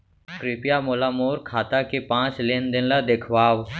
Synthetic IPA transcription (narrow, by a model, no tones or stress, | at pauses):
kɾɪpjamoːlaːmoːɾkʰaːt̪akepãːt͡ʃleːnd̪ɪnlad̪ekʰʋaːw